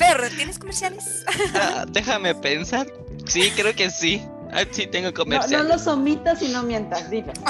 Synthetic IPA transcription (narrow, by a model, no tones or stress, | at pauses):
peɾot̪jeneskomeɾsjales | ad̪exame̞pensaɾ | sikɾeoke̞si | a̰sit̪eŋɡokomeossnjolosomit̪asino̞mje̞nt̪ɾazd̪ile